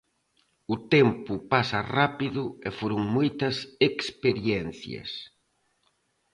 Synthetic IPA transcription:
ʊt̪ɛmpʊpasɐrapiðʊɛfoɾʊŋmojt̪ɐsekspeɾjɛn̟θjɐ̰s

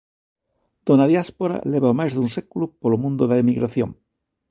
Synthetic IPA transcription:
d̪̥onaðjaspoɾa̰leβaomajzðunsekulupolomũnd̪oðaemiɣɾaθjõŋ

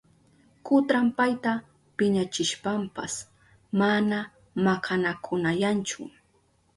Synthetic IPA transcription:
kʊt̪ɾampajt̪a | pɪɲat͡ʃɪʃpampas | mana | makʰanakʰʊnajant͡ʃʊ̰

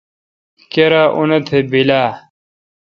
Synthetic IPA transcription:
keɾaːʔunɐt̪ʰebilaː

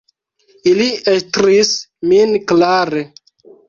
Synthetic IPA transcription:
iliestɾisminklaɾe

